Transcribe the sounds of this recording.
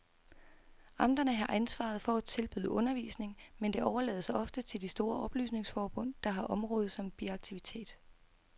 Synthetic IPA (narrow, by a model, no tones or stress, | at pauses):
ʔɑ̈md̥ɐnəɦɑ̈ʔænsʋɑ̰̈ð̞̩ˠfɒ̽æt͡sʰe̝lb̥y̰ðˠəʔɔ̽nɐʋḭːsne̝ŋmend̥e̝ɒʊɐlɛ̰ːð̞̩ˠsɑ̈ɪɒ̽fd̥ət͡sʰe̝ldisd̥o̝ːɐʔɒ̽b̥ly̰ːsne̝ŋsfɒːb̥ɔ̽n̰d̥ɑ̈ɦɑ̈ʔɒ̽mʁɔ̽ːð̞̩ˠsɒ̽mb̥iɑ̈ɡ̥̚t͡sʰiʋit͡sʰe̝̰ːd̥